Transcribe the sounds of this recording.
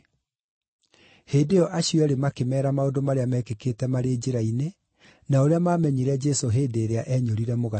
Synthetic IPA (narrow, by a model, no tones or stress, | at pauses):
heːdeɔʔaɕiɔɛɾemakemɛːɾamaodomaɾeamɛkeketɛmaɾeːd͡ʑeɾaine | naoɾeamaːmɛɲiɾɛd͡ʒɛsoɦeːdeːɾeaʔɛɲoɾiɾɛmoɣa